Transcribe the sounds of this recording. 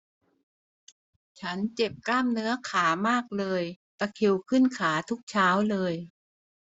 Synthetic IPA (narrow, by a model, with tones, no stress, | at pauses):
t͡ɕʰa˦˥nt͡ɕe˨˩p̚klaː˥˩mnɯ˦˥ɐkʰaː˩˦maː˥˩k̚lɤː˧j | t̪a˧kʰi˧˩wkʰɯ˥˩nkʰaː˩˦t̪ʰu˦˥k̚t͡ɕʰaː˦˥wlɤː˧j